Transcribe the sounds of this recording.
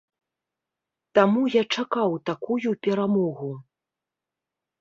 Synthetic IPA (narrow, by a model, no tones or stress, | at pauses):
t̪amujat͡ʂakawt̪akujupʲɛɾamɔɣu